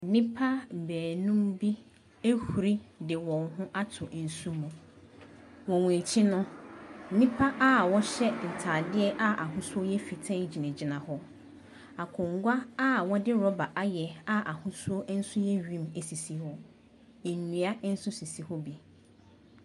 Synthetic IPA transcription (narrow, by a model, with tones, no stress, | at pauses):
nĩ˦pʰa˦bɛː˨nũ˦mbi˦ | e˦hu˨ɾi˦dɪ˨wɔ̃˨ŋɦʊ̃˦ʔa˦tʰʊ˨ʔn̩˨su˦mũ˨ | wɔ̃˨wũ˨e˨t͡ɕʰi˦nʊ̃˦nĩ˦pʰa˦ʔa˦˨wɔ˦ɕɛ˦n̩˨tʰaː˨dɪ˦ɛ˦ʔa˦ʔa˨ɦʊ̃˦sʊ˦ɔ˦jɛ˦fi˨tʰɛ̃˦d͡ʑi˨næ̃˨d͡ʑi˨nã˨hɔ˦ | a˨kʰʊ̃˨ŋ̩˦ɡʷa˦a˦˨wɔ˦dɪ˦ɾɔ˦ba˨ʔa˦jɛ˨a˦ʔa˨hʊ̃˦su˦ɔ˦n̩˦sʊ˦jɛ˦ɥᶣĩ˦me˨si˨si˨hɔ˦˨ | ɲĩ˨a˦n̩˦sʊ˦si˨si˨hɔ˦bi˨